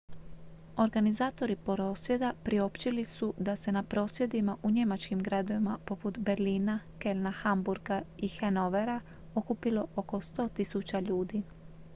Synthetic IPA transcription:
o̞ɾɡanizaːt̪o̞ɾipoɾo̞sje̞d̪apɾio̞pt͡ɕilisud̪ase̞napɾo̞ːsʋje̞d̪imaʔuɲe̞mat͡ʃkimɡɾad̪o̞ʋimapo̞put̪be̞ɾliːnake̞lnaxambuɾɡaixenoʋe̞ɾa | o̞kupilo̞ʔoko̞st̪o̞ːt̪isut͡ɕaʎuːd̪i

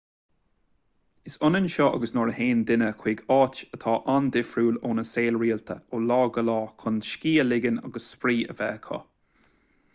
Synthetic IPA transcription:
ɪsʊnənʃɔʔa̰ɡəsnɔɹəheːnd̪ɪnəkʰwiːɡɑːt͡ʃət̪ʰɑːʔand̪ɪfɾuːloːnəseːlɹiːlt̪ʰə̰oːlɑːɡəlɑːkʰʊnʃkiːəlɪɡəna̰ɡəsːpɾiːə̰vɛːkʰɔ̰

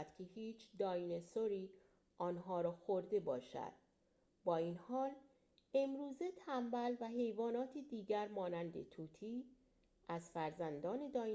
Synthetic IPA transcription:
d̪̥cʰe̞hiːt͡ʃʰd̪ɒːjnesoɾiː | ʔɒːnɦɒːɾɒːxoɾd̪e̞bɒːʃæ̰d̪̥ | bɒːinhɒːl | e̞mɾuːze̞t̪ʰæmbælvæɦe̞jvɒːnɒːt̪ʰed̪iːɟæɾmɒːnænd̪ḛt̪ʰuːt̪ʰiː | ʔæzfæɾzænd̪ɒːne̞d̪ɒː

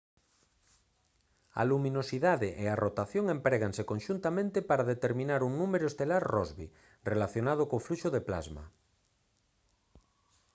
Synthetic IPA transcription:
a̰lumĩnosiðaðeʔearʔot̪aθjoŋempɾeɣaŋsekonʃunt̪amẽnt̪epaɾaðet̪eɾmĩnaɾuŋnumeɾoest̪elaɾrɔzβḭ | relaθjonað̞okoːfluʃoðepla̰zma̰

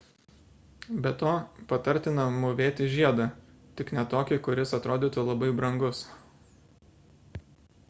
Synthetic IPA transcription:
bʲɛt̪oːpɐt̪ɐɾʲt̪ʲɪnɐmʊʋʲeːt̪ʲɪʒʲiɛd̪ɐː | t̪ʲɪknʲɛt̪oːkʲɪkʊɾʲɪsɐt̪ɾoːd̪ʲiːt̪ʊlˠɐbɐɪbɾɐŋɡʊs

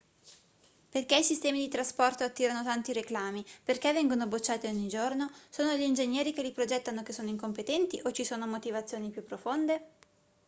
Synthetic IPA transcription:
perkeisist̪ɛːmid̪it̪ɾaspɔrt̪oat̪ːiːɾanot̪ant̪iɾeklaːmiperkevːɛŋɡonobot͡ʃːaːt̪ioɲːid͡ʒornosoːnoʎiːnd͡ʒeɲːɛːɾik̟elipɾod͡ʒɛt̪ːanokesːoːnoiŋkompet̪ɛnt̪iʔot͡ʃːisoːnomot̪ivat̪sːjoːnipjupːɾofond̪e

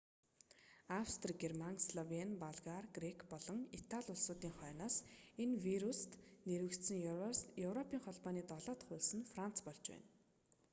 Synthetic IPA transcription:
awst̪ʰrɡermaŋsɮɔwenpaɮʁarɡrekʰpɔɮɞ̆ŋit̪ʰaɮʲʊɮsʊːt̪iːŋχœːnaːsenwiɾust̪neɾwɘ̆kt̪sɘ̆ŋjɵwrɔpʰiːŋχɔɮpɔːniːt̪ɔɮɔːt̪ə̆χʊɮsə̆nfran̥t͡sʰpɔɮt͡ɕpæ̰ːn

